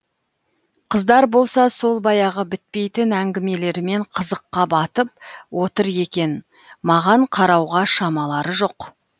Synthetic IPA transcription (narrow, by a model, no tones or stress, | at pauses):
qʰəzd̪ɑɾbo̞lˠsɑso̞lˠbɑjɑʁəbɪt̪̚pe̞jt̪ɪnæŋɡʲɪme̞le̞ɾɪme̞ɴqʰəzəqːɑbɑt̪əp̚wo̞t̪əɾje̞kʲe̞n | mɑʁɑɴqʰɑɾɑwʁɑʃɑmɑlˠɑɾəʒo̞q